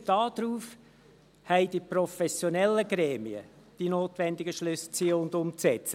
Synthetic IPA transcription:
d̥ɑːd̪̥ɾuːf | hɛɪdiprɔfɛsjonɛlːəɡ̥ɾɛːmiə̰ | d̥inoːtʋɛndɪɡəʃlʏst͡siəʊnd̪ʊmt͡sɛt͡sə

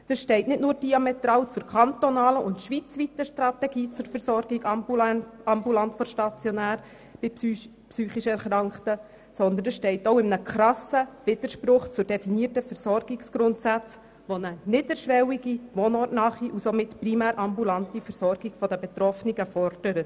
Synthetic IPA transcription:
d̥əsʃtɛɪtnɪtnʊːrd̥iɑmɛt̪ɾɑːwt͡sʊɾkʰɑnt̪ɔnɑːləʔʊntʃʋit͡sʋit̪əʃtɾɑtɛɡiːt͡sʊɾfɛɾsɔɾɡiɡ | ɑmbulɑntfɔʃtɑt͡sjɔnæːɾ | b̥ɪ | psyːχiʃɛɾχɾɑŋkχtə | sɔnd̪ən̩əsʃtɛɪtoʊɪmənəkʰɾɑsəʋɪd̥̪əɾʃpɾʊχt͡sʊdɛfiniːtəfɛɾsɔrɡɪksɡ̥ɾʊntsæt͡s | ʋonənɪdəɾʃʋɛwiɡimonɔːtnɑχiʔusomɪtprimæːɾʔɑmbulɑntifəɾsɔrɡiɡ̥fɔdəbɛt̪rɔfniɡəfɔɾd̥əɾə

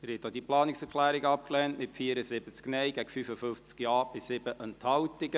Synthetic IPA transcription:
əɾhɪːt̚dod̥̪iəplɑːnɪksɛɾkʰlæːɾɪɡəɑp̚klɛntmɪtfiːəɾəsɪb̥ət͡sknɛjɡæɡəfyfəfʏnft͡skjɑːb̥ɪssɪbəʔənthɑwtɪɡə

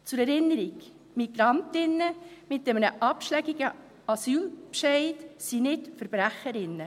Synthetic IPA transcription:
t͡sʊɾɛɾɪnːəɾiɡ | miɡ̥ɾɑntɪnːəmɪtːɛmənəʔɑpʃlɛɡiɡə | ɑsyːlpʃeɪdsinɪtfəɾb̥ɾæχəɾɪnːə

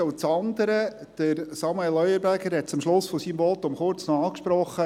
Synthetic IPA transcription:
oʊt͡sɑnd̪əɾə | d̥əɾsɑmɛelœʏəɾbæɡəɾhɛt̚t͡sʊmʃlʊsfɔsiːmbɔːt̪ːʊmχʊɾt͡snɔɑːkʃpɾɔχːə

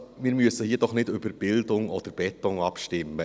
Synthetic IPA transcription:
mɪːɾmyəsəhiːəd̥ɔχnɪdʏbəɾb̥ɪldʊŋɔd̪̥əɾb̥ɛtʊŋɑpʃtɪmːə

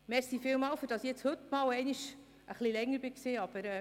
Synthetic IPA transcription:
mɛɾsifɪːlmɑːwfyɾd̥ɑsjɛt͡shɵtmɑːwɛɪniʃ | ʔəχlilɛŋːəɾb̥ɪksiːɑb̥əɾɛ

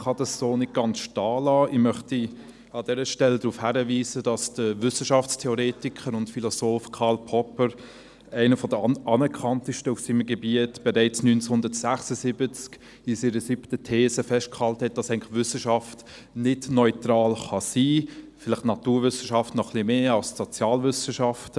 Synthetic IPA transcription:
χɑd̥ɑsːoːnɪt̚ɡ̥ɑnsʃtɑːlɑːɪmœχti | ɑd̥ɛɾəʃtɛldɾuːfhæɾəviːzəd̥ɑsd̥əvʏsəʃɑft͡stʰeɔɾeːtikʰəɾʊntfilɔsoːfkʰɑːlpʰɔpəɾ | æɪnəfɔdəʔɑnɛkʰχɑntəʃtəufsiːməɡebiətb̥ɛɾæɪt͡snyːnt͡shʊndətsæχsəsɪbət͡sk | isiːɾəsiptətʰeːszəfɛʃt̚khɑlthɛt̚d̥ɑsæɪŋ̩lɪχʋʏsəʃɑft | nɪdnɔʏtɾɑːlχɑsiːfɪlɪχtnɑtuːɾvʏsəʃɑftnɔχlimeːɑlssot͡sjɑːlvʏsəʃɑft

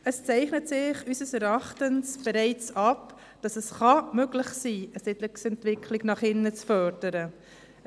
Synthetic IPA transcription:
əst͡sæɪχnətsɪχysəsɛɾɑχtənsb̥ɛɾɛɪt͡sɑp | d̥ɑsɛsχɑmøɡlɪχsiːəsɪtlɪksɛntʋɪkʰlɪɡnɑχɪnːət͡sfœɾd̥əɾə

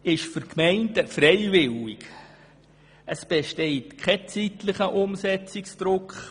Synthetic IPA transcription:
ɪʃfʏkmɛɪntəfreɪvɪlɪk | ʔəsb̥eʃteɪtkʰχɛt͡sitlɪχəʔʊmsɛt͡sɪksd̥ɾʊkχ

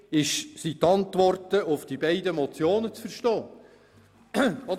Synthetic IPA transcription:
ɪʃsit̪ɑntʋɔrtəʊfd̥ibɛɪdəmɔt͡sjoːnət͡sfəɾʃtɔː | ɔ

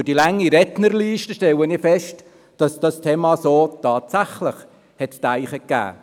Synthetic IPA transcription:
d̥ilaŋːiɾɛtnərliːʃtəʃtɛlənɪfɛʃt | d̥ɑsd̥ɑstʰeːmɑsoːtʰɑːtsaχlɪχ | hɛttaɪχəkːæ̰ː

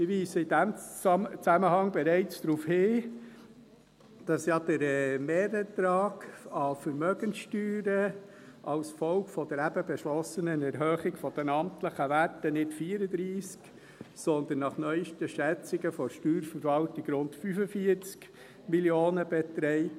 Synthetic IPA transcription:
ɪʋiːsəidæmt͡sæməɦɑŋbɛɾɛɪt͡sd̥ɾuːfhɪ | d̥ɑsjɑd̥̪əɾɛmeːɾətɾɑːɡɑfəɾmœɡənsʃtyːɾə | ʔɑwsfɔlkfɔd̥̪əɾæbəbɛʃlɔsənənɛɾɦœːχɪɡfɔd̥̪ɛnɑmtləχəʋætənɪtfiːəɾəd̪ɾiːsk | sɔnd̪ənːɑχnœʏʃtəʃɛt͡sɪɡəfɔɾʃtyːɾfəɾvɑltɪɡɾʊntfyfəfiəɾt͡sk | miljoːnəbɛt̪ɾɛɪ

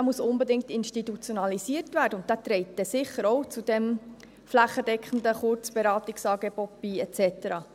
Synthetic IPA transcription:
æːmusʊnbedɪŋk̚tɪnʃtitut͡sjonɑlisiərtvæːɾdəʊnt̚æːt̪ɾɛɪt̚d̥ɛsɪχəɾɔʊt͡sud̥ɛm | flæχːəd̥ɛkχən̩dəχʊrt͡sb̥eɾɑːtiksɑːɡebɔt̚b̥iːɛtt͡sɛtəɾɑː

